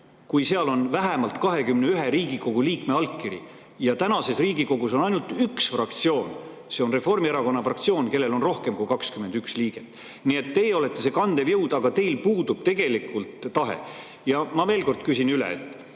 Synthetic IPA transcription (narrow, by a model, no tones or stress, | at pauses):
kujse̞ɑlo̞nvæɦemɑlt̪kɑɦe̞kymneyɦe̞ɾiːɡ̥iko̞ɡ̥uliːkme̞ɑlkːiɾḭ | jɑt̪ænɑse̞sriːɡiko̞ɡ̥uso̞nɑjnult̪yksfrɑk̚t̪sio̞ːn | se̞o̞nre̞fo̞rmieɾɑko̞nːɑfrɑkt̪sio̞ːnke̞lːe̞lo̞nro̞hke̞mkujkɑkskymend̪yksliːɡ̥et̪ːˑ | nie̞t̪ːe̞jo̞le̞t̪ːe̞se̞kɑnd̪̥e̞vjɤwd̪̥ɑɡ̥ɑt̪e̞jlpuːd̪ub̥̚t̪e̞ɡ̥e̞likːˑult̪ːɑɦḛ | jɑmɑveːlko̞rd̪̥kysinylḛḛt̪ːˑ